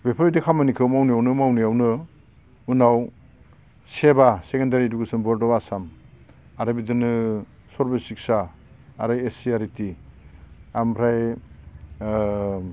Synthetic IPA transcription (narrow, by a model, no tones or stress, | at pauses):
bepʰaɾitikʰamanikʰɯwmawnijawnɯmawnijawnɯ | unaw | sebasekendaɾiduɡɯsɯnbɔɾdɔbasam | aɾɯbidɯnɯ | sɔɾbesik̚saːɾɯjesiaɾiti | ampʰɾaj